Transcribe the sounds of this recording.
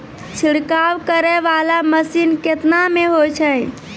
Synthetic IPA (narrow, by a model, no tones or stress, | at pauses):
t͡ʃʰiɽkawkəɾɛʋalaməsinket̪nameɦot͡ʃʰə